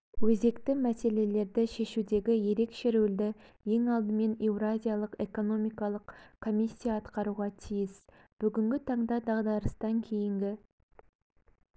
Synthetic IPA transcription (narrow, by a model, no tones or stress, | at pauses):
wɵze̞kt̪ɪmæse̞le̞le̞ɾd̪ɪʃe̞ʃud̪e̞ɡʲɪje̞ɾe̞kʃeɾuld̪ɪ | je̞ŋɑlˠd̪əme̞nevɾazʲijalˠəqe̞ko̞no̞mijkɑlˠəqkʰːo̞mʲisʲːijaːt̪qɑɾuʁɑt̪ʰijɪs | b̥ʏɡʲɪŋɡʲɪt̪ʰɑɴd̪ɑd̪ɑʁd̪ɑɾəst̪ɑŋkʲʰe̞jɪŋɡʲɪ